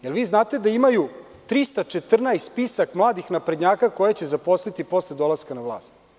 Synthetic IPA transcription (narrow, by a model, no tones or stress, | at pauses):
jelʋiːznaːt̪e̞d̪aimaju | t̪ɾist̪at͡ʃet̪r̩najst̪spisakmlˠaːd̪ixnapɾed̪ɲaːkako̞jet͡ɕezapo̞slit̪ipo̞sled̪o̞lˠaskanaʋlˠaːst̪